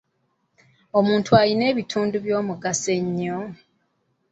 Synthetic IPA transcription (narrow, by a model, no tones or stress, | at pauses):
o̞muːntʰualine̞ːβitʰuːnduβjo̞ːmuɡase̞ɲːo